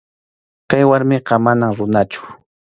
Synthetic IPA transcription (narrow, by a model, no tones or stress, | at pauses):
kajwaɾmɪqɑmanaŋɾʊnat͡ʃʊ̥